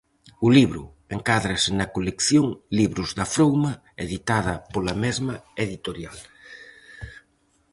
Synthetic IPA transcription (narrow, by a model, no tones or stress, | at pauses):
ʊliβɾʊ̰ | eŋkaðɾɐsɪnɐkolekθjoŋliβɾʊzðɐfɾowmɐ | eðit̪aðɐpolɐmezmɐeðit̪oɾjal